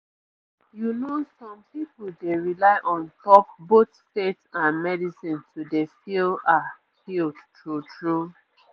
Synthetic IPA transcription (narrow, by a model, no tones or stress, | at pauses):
junosɔ̃mpipuldeɹilaɪʔɔ̃ntɔp̚botstetãnmɛdisĩntʰudefilda | kildtʰutʰɹu